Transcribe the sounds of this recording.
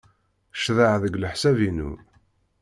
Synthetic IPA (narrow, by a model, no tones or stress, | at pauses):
ʃðəʕðəɡləħsævinṵ